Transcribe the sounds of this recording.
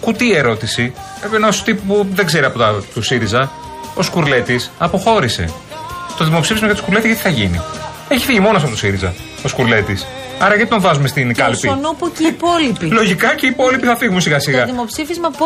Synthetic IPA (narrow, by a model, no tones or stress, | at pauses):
kut̪ie̞ɾo̞t̪isi | epnost̪ippuðe̞ɡze̞ɾiɐpot̪ɐt̪usiɾizɐ | o̞skuɾle̞t̪isɐpo̞xo̞ɾise̞̰ | t̪o̞ðimo̞psifizmɐʝɐt̪okuɾle̞t̪izʝɐt̪iθɐʝinḭ | e̞çi̥fiʝimo̞nosɐpot̪o̞siɾizɐ̰ | o̞skuɾle̞t̪is | ɐɾɐʝɐt̪it̪õvɐzume̞st̪inkɐlspionopocipolipilo̞ʝikɐceipo̞lipiθɐfiɣmunsiɣɐsiɣɐðimopsifizmɐp